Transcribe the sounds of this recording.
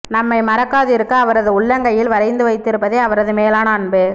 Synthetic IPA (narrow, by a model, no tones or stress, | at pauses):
nɐmːɐɪmɐɾɐkːaːðɪɾɯkːɐːʋɐɾɐðɯʊɭːɐŋɡɐjɪlʋɐɾɐɪnd̪ɯʋɐɪt̪ːɪɾɯpːɐðeːɐʋɐɾɐðɯmeːlaːnɐːɳbe